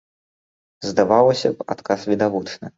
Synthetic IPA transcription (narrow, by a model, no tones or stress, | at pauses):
zd̪avaw̪ˠɐsʲɐpa̰t̪kasvʲid̪avut͡ʂnɨ